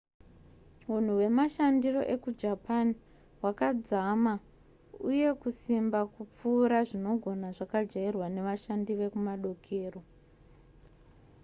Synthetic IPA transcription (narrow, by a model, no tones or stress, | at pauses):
un̤uwe̞maʃandiro̞̰ʔe̞kud͡ʒapani | wakad͡zama | uje̞kusimbakup͡fuːɾaʐino̞ɡʱo̞naʐakad͡ʒairwane̞ʋaʃandiʋe̞kumaɗo̞kʰeːro̞